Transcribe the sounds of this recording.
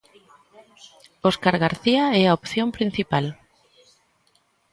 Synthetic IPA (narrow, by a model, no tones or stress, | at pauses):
oskaɾɣaɾθiaɛaopθjõmpɾin̟θipal